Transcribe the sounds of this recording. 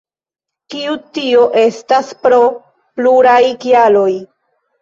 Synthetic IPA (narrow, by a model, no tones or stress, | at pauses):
kiutio̞ʔe̞staspɾo̞ | pluɾajkjalo̞j